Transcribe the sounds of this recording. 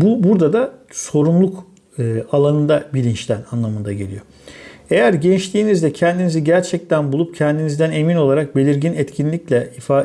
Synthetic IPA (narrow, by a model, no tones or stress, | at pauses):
bubuɾd̪ad̪aso̞ɾumlˠukː | alˠanɯnd̪abilʲint͡ʃlʲænanlˠamɯnd̪aɟe̞lʲijo̞ | e̞jæɾɟɛnt͡ʃlʲiːnizd̪ɛcʰɛnd̪iniziɟæɾt͡ʃʰɛc̚t̪ʰænbulˠup̚cʰɛnd̪inizd̪æne̞mino̞lˠaɾak̚be̞lʲiɾɟinɛt̪cʰinlʲiclʲɛifaː